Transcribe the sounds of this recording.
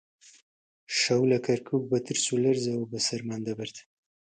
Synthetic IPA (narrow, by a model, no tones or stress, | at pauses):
ʃawlakaɾkʰuk̚bat̪əɾsulaɾzawbasaɾmand̪abaɾt̪